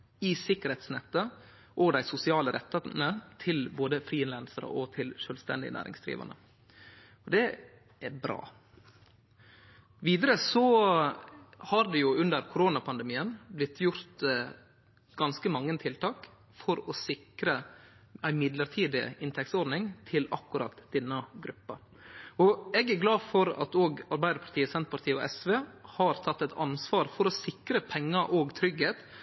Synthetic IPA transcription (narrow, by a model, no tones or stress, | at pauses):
ɪsɪkːəɾhɛt̪snɛt̪ːə | ʔɔd̪æɪsʊsɪɑːləɾʔɛt̪ːənət̪ʰɪlboːd̪əfɾiːɪnlɛnsəɾə̰ʔɔt̪ʰɪlʃøːlst̪ɛ̰nd̪ɪ̰ə̰næ̰ːɾʔɪ̰ŋsd̪ɾḭːʋɑ̰nə̰ | ɔd̪ɛ | ʔæɾbɾɑ̰ː | ʋiːd̪əɾəsɔ | hɑɾd̪ɛjʊʉnd̪əɾkʰʊɾoːnɑpʰɑnd̪ɛmiːənblɪt̪ʰːjʊɾt̪ | ɡ̥ɑnskəmɑŋːənt̪ʰɪlt̪ʰɑːk | fɔɾɔsɪkɾə | æɪmɪd̪ləɾʈʰiːd̪ɪ̰ɪnt̪ʰɛkt̪sɔɾɖnɪŋt̪ʰɪlɑ̰kːʉɾɑ̰t̪d̪̥ɛnːəɡɾʉpːɑ | ɔɛːɡæɾɡlɑːfɔɾɑ̰t̪oːɡɑɾbæɪd̪əɾpʰɑɾʈ̪ʰiːəsɛnt̪pʰɑt̪ʰiːɔ̰ʔɛsʋeːhɑːɾt̪ʰɑt̪ːɛt̪ʰɑ̰nsʋɑːɾfɔɾɔsɪkɾəpʰɛŋːɑʔoːɡt̪ʰɾʏɡheːt̪